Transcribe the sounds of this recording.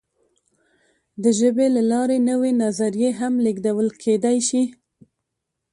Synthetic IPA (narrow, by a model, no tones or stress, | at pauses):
d̪əʒəbelalɑɾenəwenazaɾijeɦamliɡd̪awəlkʰed̪ajʃi